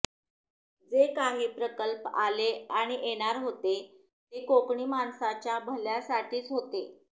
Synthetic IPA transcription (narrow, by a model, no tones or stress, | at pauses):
d͡zekaɦiːpɾəkəlpaleaɽ̃iʔeɽ̃aɾɦot̪e | t̪ekokɳiːmansat͡ɕjabʱəljasaʈʰiːt͡sɦot̪e